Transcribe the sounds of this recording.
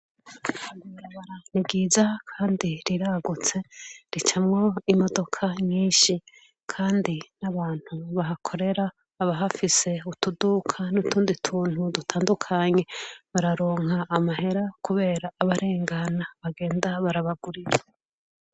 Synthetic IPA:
βaːndiβaɾaβaɾanibɡizakʰaːndiɾiɾaɡut͡se̞ɾit͡ʃamŋo̞imo̞do̞kʰaɲiːʃi | kʰaːndinaβaːn̥huβaɦakʰo̞ɾe̞ɾaː | βaɦafise̞utudukʰanutʰuːnditʰuːn̥hudutʰaːndukʰaɲe̞βaɾaɾo̞ːŋaːmaɦe̞ɾakuβe̞ːɾaːβaɾʔe̞ːŋɡanaβaɡe̞ːndaβaɾaβaɡuɾiɾa

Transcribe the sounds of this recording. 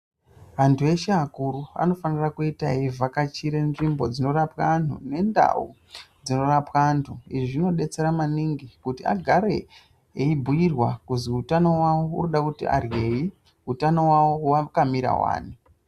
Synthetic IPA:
ʋantʰue̞ʃeakuɾua̰no̞fanirakuitaivʱakat͡ʃiɾenʐimbo̞d͡zino̞rapkantʰṵne̞nda̰ṵ | d͡zino̞rapwaːntʰuiʐiʐino̞ɗe̞t͡se̞ɾamaniŋɡikutia̰ɡʱaɾe̞ | eibʱujirwakuziutano̞wawo̞ṵnoɗakutḭʔa̰rje̞ji | ɦutano̞wawowakamiɾa̰wa̰ːni

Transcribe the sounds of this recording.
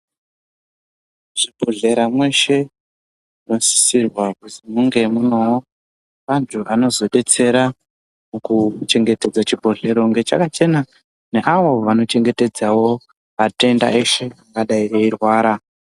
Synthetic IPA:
ʐ̥ibʱoɮe̞ɾamwe̞ʃe̞ | ino̞si̥sirwakutimuŋɡe̞muno̞wo | ʋantʰuʔano̞zo̞ɗe̞t͡se̞ɾa | mukut͡ʃe̞ŋɡe̞te̞d͡zat͡ʃibʱoɮe̞ɾo̞ŋɡe̞t͡ʃa̰kat͡ʃe̞na | ne̞ʔaʋo̞ʋano̞t͡ʃe̞ŋɡe̞te̞d͡zawo̞ | ate̞nda̰e̞ʃe̞aŋɡaɗaieirwaːɾa

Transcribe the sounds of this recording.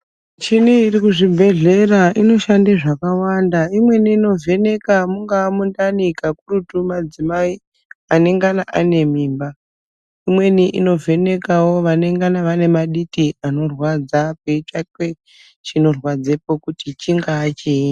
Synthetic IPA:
t͡ʃinuirikuʐibʱe̞ɮe̞raino̞ʃandeʐakawandaimwe̞niːno̞ve̞ne̞kamuŋɡaːmundanikakurutumad͡zimai | ane̞ŋɡanaʔane̞miːmba | imwe̞niʔḭno̞ve̞ne̞kawo̞ʋane̞ŋɡanaʋane̞maɗitiano̞rwad͡zapeit͡ʃatwe | t͡ʃino̞rwad͡zepokutit͡ʃiŋɡaːt͡ʃii

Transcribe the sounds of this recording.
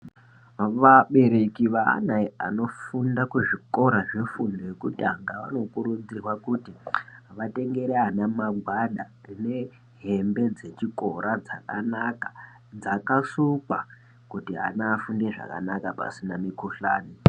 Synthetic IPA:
ʋaɓe̞ɾe̞kiʋa̰ːnaia̰no̞fundakuʐiko̞ɾaʐe̞fundojekutaŋɡaʋa̰no̞kuɾud͡zirwakutiʋate̞ŋɡe̞ɾeanamaɡʱwaɗarine̞ | ɦe̞mbe̞d͡ze̞t͡ʃiko̞ɾʔad͡zakanakḁ | d͡zakasuka | kutia̰naːfundeʐa̰ka̰nakapa̰sinamikuɬaːni

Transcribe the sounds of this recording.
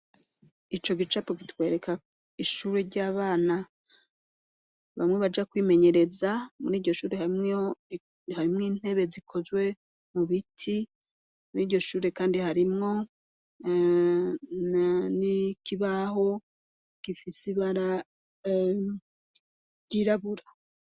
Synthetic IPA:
it͡ʃo̞ɡit͡ʃapoɡitwe̞ːɾe̞kʰa | iʃuːɾe̞ɾɟaːβaːna | βamŋe̞βad͡ʒakwiːme̞ɲe̞ɾe̞zamuɾiːɟo̞ʃuːɾehaime | haɾimŋiːn̥he̞βe̞zikʰo̞zɡwe̞ | muβitʰi | muɾiːɾɟo̞ʃuːɾe̞kaːndihaɾimŋo̞ | nnikiβaho̞ | ɡ̥ifisiβaɾa | ɟiɾaβuɾḁ

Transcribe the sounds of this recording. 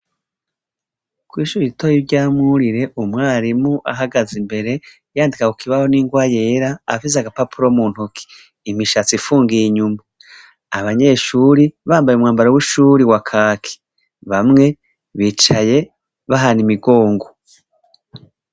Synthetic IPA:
kwiːʃuiitojivɟaːmŋuɾiɾe̞ʔumŋaːɾimuʔa̰ɦaɡazimbe̞ɾe̞ | jaːndikakukʰiβaho̞niːŋɡwajeɾa̰ːfizaɡapapʰuɾomuːn̥hukʰi̥ː | miʃat͡siifuːŋɡiiɲuma | aβaɲe̞ʃuɾiβaːmbajumŋaːmbaɾawiʃuɾiwakʰaːkʰi̥ | βamŋe̞ | βiːt͡ʃaje̞ | βaɦanimiɡo̞ːŋɡo

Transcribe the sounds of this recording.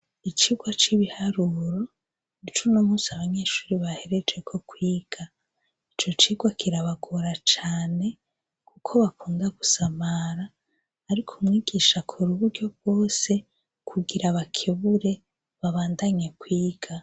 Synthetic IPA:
it͡ʃiːɡwat͡ʃiβihaɾuɾo̞ | nit͡ʃuno̞musiaβaɲe̞ːʃu̥ːɾiβahe̞ɾe̞d͡ʒe̞kʰo̞kwiːɡ̥a | it͡ʃo̞t͡ʃiːɡwakʰiɾaβaɡoɾat͡ʃaːne̞ | kukʰo̞βakuːndaɡ̥usamaɾaː | ɾikʰumŋiːɡ̥iːʃakʰoɾuβuɾɟo̞b̚wo̞ːse̞ | kʰuɡiɾaβakʰeβuɾe̞ | βaβaːndaɲe̞kwiːɡ̥a

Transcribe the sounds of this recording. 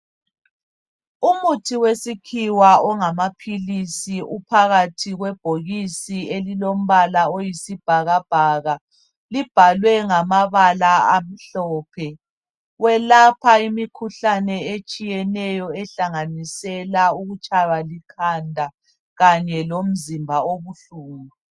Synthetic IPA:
umutʰiwesikʰiwaɔŋamapʰilisiʔupʰaɣatʰiɣwɛb̥ʱoɣisielilom̩βalaojisib̥ʱaɣab̥ʱaːɣa | lib̥ʱalwɛŋamaβalaam̩ɬɔːpʰɛ | wɛlapʰaimikʰuɬanɛet͡ʃʼijɛnɛjɔɛɬaŋanisɛlauɣut͡ʃʼawalikʰandʱa | ɣaɲɛlom̩zimbʱaoβuɬuːŋu

